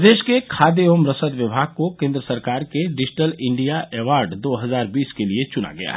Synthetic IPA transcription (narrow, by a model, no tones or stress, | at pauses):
d̪eːʃkekʰaːd̪eoːmɾəsəd̪ʋɪbʱaːɡ̚kokẽːnd̪ɾəsɐɾkaːɾkeɖɪd͡ʒʈəlɪ̃ɳɖijaɛːʋaːɾɖd̪oːɦɐzaːɾbiːskeliet͡ʃʊna̰ɡɐja̰ɦɛ